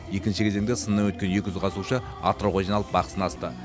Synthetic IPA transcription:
je̞kʲɪnʃɪkʰʲe̞zeŋd̪esənːɑwɵt̪kʲe̞nje̞kʲɪʒʏzqʰɑsuʃə | ɑ̰t̪ɾoʁoʒinɑlˠəp̚bɑqə̥sənɑst̪ə

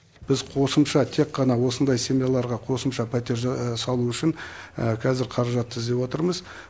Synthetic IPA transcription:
b̥ɪzqʰo̞səmʃɑt̪ʰe̞kqːɑnɑwo̞sənd̪ɑjsemjalˠɑɾʁɑqʰo̞səmʃɑpʰæt̪e̞ɾsɑlˠuʏʃɪŋəkʲʰæzɪɾqʰɑɾɑʒɑt̪ʰːɪzd̪e̞pwo̞t̪əɾməz

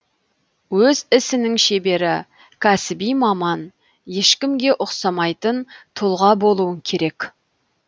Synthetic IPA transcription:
wɵzɪsɪnɪŋʃe̞be̞ɾɪ | kʲʰæsɪbijmɑmɑn | je̞ʃkʲɪmɡʲe̞ʔʊqsɑmɑjt̪ənt̪ʰʊlˠʁɑbo̞lˠuəŋkʲʰe̞ɾe̞k

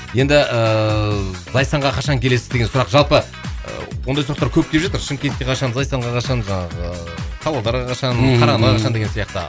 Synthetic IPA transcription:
je̞nd̪ɪʔə | zɑjsɑɴʁɑqʰɑʃɑŋkʲʰe̞le̞sɪzd̪eɡe̞nsʊɾɑqʒɑlˠpə | ə̰wo̞nd̪ɑjsɾɑqt̪ɑɾkʲʰɵp̚k̪ʰʲe̞pʒɑt̪əɾʃəŋkʲe̞nt̪kʲe̞qʰɑʃɑnzɑjsɑɴʁɑqʰɑʃɑnʒɑɴɑʁə | t̪ʰɑwɑlˠd̪ɑɾʁɑqʰɑʃɑnqʰɑɾɑnʁɑqɑʃɑnd̪e̞ɡʲe̞nsijɑqt̪ə̰

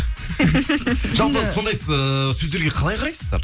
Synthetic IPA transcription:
ʒɑlˠpəso̞nd̪ɑjəsɵzd̪eɾɡʲe̞qʰɑlˠɑjqʰɑɾɑjsəzd̪ɑ̰ɾ

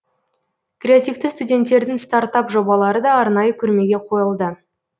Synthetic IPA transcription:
krʲeat̪ʲijft̪ɪst̪udʲe̞nt̪ːe̞ɾd̪ɪŋst̪ɑɾt̪ɑpʒo̞bɑlˠɑɾəd̪ɑːɾnɑjəkʲʰʏɾme̞ɡʲe̞qʰo̞jəlˠd̪ə

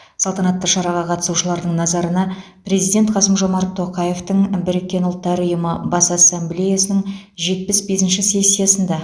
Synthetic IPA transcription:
sɑlˠt̪ɑnɑt̪ːəʃɑɾɑʁɑqʰɑt̪əsuʃəlˠɑɾd̪əɴnɑzɑɾənɑ | pɾe̞zijd̪ʲe̞nt̪qʰɑsəmʒo̞mɑɾt̪ʰːo̞qɑje̞ft̪əɴbɪɾekʲːe̞nʊlˠt̪ːɑɾəəjʊməbɑsasːemblʲe̞jasənəɴ | ʒe̞t̪̚pɪsbe̞sɪnʃɪse̞sʲːijasənd̪ɑ

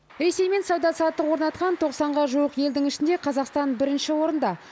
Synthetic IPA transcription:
ɾe̞se̞jme̞nsɑwd̪ɑsɑt̪ːəqwo̞ɾnɑt̪̚qɑnt̪ʰo̞qsɑɴʁɑʒuwəqje̞ld̪ɪŋɪʃɪnd̪e̞qʰɑzɑqst̪ɑnbɪɾɪnʃɪwo̞ɾənd̪ɑ

